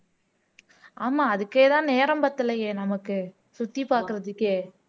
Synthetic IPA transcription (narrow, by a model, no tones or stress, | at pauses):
ʔaːmaːɐðɯkːeːt̪ãːneːɾɐmpɐɾt̪ːɯlɐjeːnɐmɐkːɯ | sʊt̪ːipaːɾkɯɾɐðɯkːeː